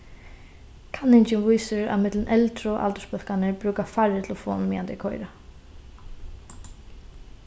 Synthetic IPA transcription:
kʰanɪɲt͡ʃɪnvujsɪɹa̰ðmɪt̪lɪnʔɛlt̪ɾʊʔa̰lt̪əspœl̥kanɪɹpɾʉːkafaɹɪt̪ʰlɔfɔ̰ːnmiːjant̪ɪkʰɔjɾa

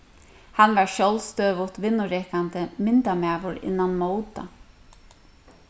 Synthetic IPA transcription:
hanʋaɹʃjɔlst̪øːʋʊt̪ʋɪnːʊɾɛːkant̪əmɪnt̪amaːʋʊɾɪ̰nːanmoːwt̪a̰

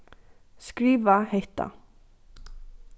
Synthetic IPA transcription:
skɾiːʋahɛht̪a̰

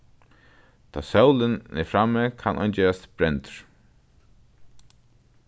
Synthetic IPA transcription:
t̪ʰɔ̰ːsœwlɪnɪ̰fɾamːɛkʰanʔɔ̰jnd͡ʒɛːɹast̪b̥ɾɛnt̪ɹ̥

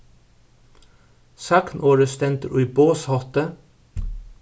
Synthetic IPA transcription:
sɑknʔoːɹəst̪ɛnt̪əʔʉʏboːshɔt̪ə

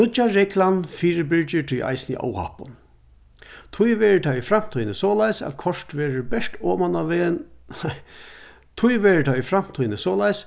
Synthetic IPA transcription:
ʊt͡ʃaɹɛklanfiːɾɪbɪɹt͡ʃɪt̪ʰʊjʔa̰jsnḭʔa̰ːwha̰pʊn | t̪ʰʊjʋɛːɹət̪ʰaifɾam̥t̪ʰɔjnɪsɔːlajsæ̰t̪kʰɔʂt̪ʋɛːɹəbɛʂt̪ɔːmanaʋen | t̪ʰʊjʋɛːɹət̪ʰaifɾam̥t̪ʰɔjnəsɔːlajs

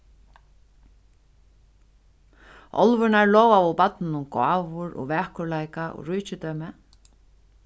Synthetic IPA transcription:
ʔɔ̰lvʏɾnaɹlɔːwavɔpat̪nɪnʊmka̰ːvʊɾɔ̰ɣvɛːhkʊɹlajkaʔɔ̰ɣɾujt͡ɕɪt̪œɥmɪ

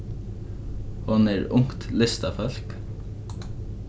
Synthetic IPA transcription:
hʊneːɹʊŋt̪lɪst̪ɑfœlk

